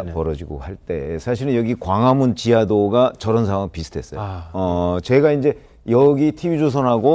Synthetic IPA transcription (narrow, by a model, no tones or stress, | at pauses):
pʌɾʌd͡ʑiɡo̰haɭt͈e̞sʰaɕ̬ʰiɾɯnjʌɡikwaŋamunt͡ɕiadoɡat͡ɕʌɾʌnsʰawaŋpisʰɯ̥tʰes͈ʌjoʌt͡ɕe̞ɡaind͡ʑe̞ | jʌɡitʰibid͡ʑos̬ʰʌnɦaɡo